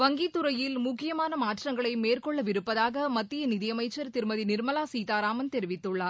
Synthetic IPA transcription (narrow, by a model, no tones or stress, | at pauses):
ʋɐŋɡit̪ːɯɾɐjɪlmʊkːɪjɐmaːnɐmaːʈrɐŋɡɐɭɐɪmeːrkɔɭːɐʋɪɾɯpːɐðaːɣɐmɐt̪ːɪjɐnɪðɪjɐmɐɪt͡ʃːɐɾt̪ɪɾɯmɐðinɪɾmɐlaːsiːt̪aːɾaːmɐnt̪ɛɾɪʋɪt̪ːɯɭːaː